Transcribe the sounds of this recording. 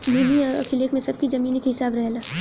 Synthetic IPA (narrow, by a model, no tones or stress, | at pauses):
b̪ʱuːmiɐ̰kʰɪleːkmẽsɐb̚kizɐmiːnekɦɪsaːbɾɛɦlaː